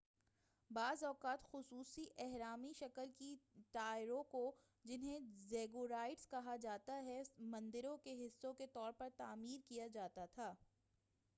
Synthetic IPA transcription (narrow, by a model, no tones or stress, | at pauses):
baːzɔːqaːt̪xʊsuːsiʔɛɦɾaːmiʃɐkəlkiʈaːɪɾõko | d͡ʒɪnɦẽzeːɡoɾaːɪʈskɐɦad͡ʒaːt̪aɦɛmɐ̃nd̪ɪɾõkeɦɪsːõket̪ɔːɾpɐɾt̪aːmiːɾkijad͡ʒaːt̪at̪ʰaː